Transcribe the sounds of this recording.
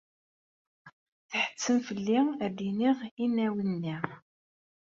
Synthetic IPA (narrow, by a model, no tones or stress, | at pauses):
θħə̥t͡sːəmfəlːiæd̪iniʁinːæwənːi